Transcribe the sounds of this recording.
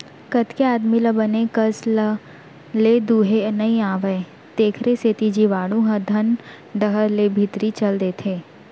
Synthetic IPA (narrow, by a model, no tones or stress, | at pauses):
kɐt̪keaːd̪miləbənekəslə | led̪uːɦenɐĩaːʋəe | t̪eːkʰɾeseːt̪id͡ʒiʋaːɽũɦə̃d̪ʱɐn | ɖəɦəɾlebʱɪt̪ɾit͡ʃɐld̪et̪ʰeː